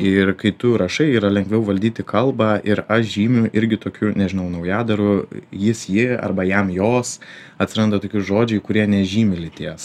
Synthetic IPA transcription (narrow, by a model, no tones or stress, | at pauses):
ɪrkɐɪt̪ʊɾɐʃɐɪiːɾɐlʲɛŋɡʋʲɛʊʋɐlʲd̪ʲiːt̪ʲɪkɐlˠbɑːʔɪɾɐʃʒʲiːmʲʊʔɪɾʲɡʲɪt̪oːkʲʊnʲɛʒʲɪnɐʊnɐʊjæːd̪ɐɾʊjɪsjɪɐ̰rbɐjɛmjoːs | ɐt̪ʲsʲɪɾɐnd̪ɐt̪oːkʲʊʒoːd͡ʒʲɛɪkʊɾʲiɛnʲɛʒʲiːmʲɪlʲɪt̪ʲiɛs